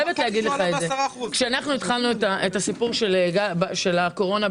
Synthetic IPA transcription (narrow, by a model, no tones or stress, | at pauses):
jevetleaɡid̪leχaezekʃeanaχnuit̪χalnuetaetasipuʁʃelɡabʃe̞lako̞ʁo̞na